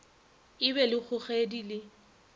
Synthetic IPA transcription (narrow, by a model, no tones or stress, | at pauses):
ɪbɛlɪk͡xʰʊχedilɪ